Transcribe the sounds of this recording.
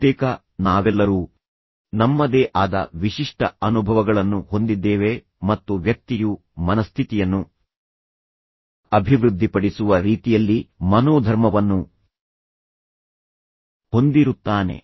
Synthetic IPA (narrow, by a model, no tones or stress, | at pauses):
eːkɐ | naːʋɛlːɐɾuː | nɐmːɐd̪eːʔaːd̪ɐ̰ʋiʂiʂʈʰɐɐnubʱɐʋɐɡɐɭɐnːuho̞nd̪id̪ːeːʋe̞ | mɐt̪ːuʋjɐk̚t̪iju | mɐnɐst̪ʰit̪ijɐnːu | ɐbʱiʋɾud̪ʱːipɐɽisuʋɐɾiːt̪ijɐlːimɐnoːd̪ʱɐɾmɐʋɐnːu | ho̞nd̪iɾut̪ːaːne̞̰